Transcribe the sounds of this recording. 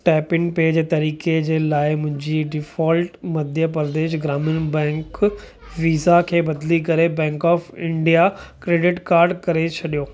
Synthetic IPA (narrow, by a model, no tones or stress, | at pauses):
ʈɛːpɪ̃ŋpeːd͡ʑeːt̪ɐɾiːked͡ʑeːlaːɪmʊ̃ɦɪ̃ɲd͡ʑiɖɪfɔːlʈmɐd̪ʱjəpɾd̪eːʃɡɾaːmɪnbɛ̃ːŋk | ʋiːzakʰeːbɐd̪likɐɾebɛ̃ːŋkɔːfɪ̃ɳɖijakɾeːɖɪʈkaːɾɖkɐɾet͡ɕʰɐɗijoː